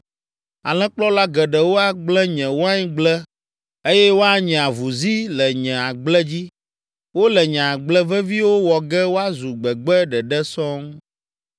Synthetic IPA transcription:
a˨lɛ̃˦k͡plɔ˦la˦ɡɛ˨ɖɛ˨wo˦a˦ɡ͡blɛ˦ɲɛ̃˨wo˦a˦ɲi˦ɡ͡blɛ˦ | e˦jɛ˦wo˦a˦ɲɛ̃˨a˨vu˨zi˦lɛ˨ɲɛ̃˨a˨ɡ͡blɛ˦d͡ʑi˦ | wo˦lɛ˨ɲɛ̃˨a˨ɡ͡blɛ˦vɛ˦vi˦wo˦wɔ˨ɡɛ˦wo˦a˦zu˨ɡ͡bɛ˨ɡ͡bɛ˦ɖɛ˨ɖɛ˦sɔ̃˦ŋ

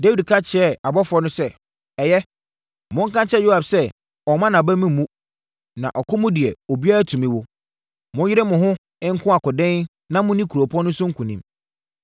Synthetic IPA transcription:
de˦wi˨dkʰa˦t͡ɕʰɪ˨ɛ˦˨a˨bɔ˦fɔ˦nʊ̃˦sɛ˦ | ɛ˨jɛ˦ | mʊ̃˦ŋ̩˦kʰã˦nt͡ɕʰɛ˦jo˦ha˨bsɛ˦ | ɔ˨mã˦nã˨bæ˦mĩ˦˨mũ˦ | nã̰˨ʔɔ˨kʰʊ˦mʊ̃˦dɪ˨ɛ˨o˨bi˦a˦a˦tʰũ˨mĩ˦wʊ˦ | mʊ̃˦jɪ˦ɾɛ˦mʊ̃˨ɦʊ̃˦ | ɪ̃˦ŋ̩˦kʰʊ̃˦a˨kʊ˨dɛ̃˦n | nã˦mʊ̃˦nĩ˦kʰu˨ɾo˨pʰɔ̃˦nʊ̃˦sʊ˦ŋ̩˦kʰũ˨nḭ̃˦m

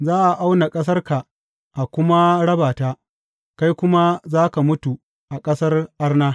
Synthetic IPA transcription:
zaː˦ʔa˨ʔa˦wna˨kʼɐ˦s̬ɐ˦rka˨ | ʔa˨kʷʊ˦ma˦ɽɐ˦baː˨taː˦ | ka˦jkʷʊ˦ma˦zaː˦ka˨mʊ˦tu˨ | ʔa˨kʼɐ˦sɐ˦rʔa˦rnaː˦

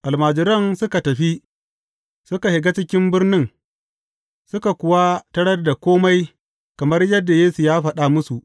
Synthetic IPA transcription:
ʔa˨lmaː˨d͡ʒɪ˨ɾɐ˦nsʊ˦ka˨tɐ˨ɸi˦ | sʊ˦ka˨hɪ˨ɡa˦t͡ʃɪ˦kʲɪ˦mbɪ˦rnɪ˦ŋ | sʊ˦ka˨kʷʊ˨wa˦tɐ˦ɽɐ˦rda˨kʷoː˦ma˦j | kɐ˨mɐ˦rjɐ˦dːa˨jeː˦su˨jaː˦ɸɐ˦ɗa˨mʊ˦su˨ʔ

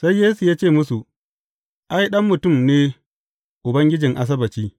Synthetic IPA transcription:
sa˦jːeː˦su˨jaː˦t͡ʃeː˦˨mʊ˦su˨ | ʔa˦jɗɐ˦mːʊ˨tʊ˦˨mneː˦ | ʔʊ˨bɐ˦ŋɡʲɪ˦d͡ʒɪ˨ŋʔa˦s̬ɐ˦bɐ˨t͡ʃiː˦

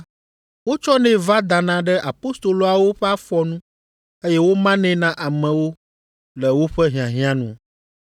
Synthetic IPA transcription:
wo˦t͡ʃɔ˦nɛ̃˦va˦d̪a˨nã˦ɖɛ˦ʔa˨po˦st̪o˨lo˨˦a˨wo˦ɸɛ˦a˦fɔ˦nũ˦ | e˦jɛ˦wo˦mã˦nɛ̃˦nã˦ʔa˨mɛ̃˨wo˦ | lɛ˨wo˦ɸɛ˦ɦĩ˨ã˨ɦĩ˦ã˦nṵ̃˨

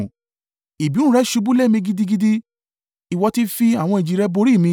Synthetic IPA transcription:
i˨bi˨˦ũ˦˧ɾɛ˦ʃu˧bu˦le˦˨mĩ˧ɡi˧di˧ɡi˧di˦ | i˨wɔ˧ti˦fi˧a˦˨w̃ɔ̃˧i˨d͡ʒi˨ɾɛ˧bo˧ɾi˦˨mĩ˧˦

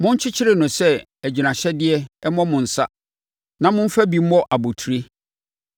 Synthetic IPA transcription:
mʊ̃˦ɲ̩˦t͡ɕʰɪ˦t͡ɕʰɪ˦ɾɪ˦˨nʊ̃˨sɛ˦ | æ˨d͡ʑi˨nã˨ɕɛ˦dɪ˦ɛ˦ɛ˦mɔ̃˦mʊ̃˨n̩˨sa˦ | nã˦mʊ̃˦m̩˦fæ˦bi˨m̩˦ɔ˦ʔa˨bo˨tʰu˨ɾe˦

